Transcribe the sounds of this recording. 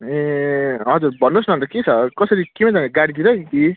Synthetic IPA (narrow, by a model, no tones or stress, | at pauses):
eɦʌd͡zurbʌnːosnʌ̃nt̪ʌket͡sʰʌkʌsʌɾikimãd͡zʌŋʌɡaɽid̪iɾʌkiki